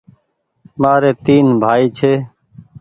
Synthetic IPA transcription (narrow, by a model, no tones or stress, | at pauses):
maːɾeːt̪iːnbʱaːiːt͡ʃʰeː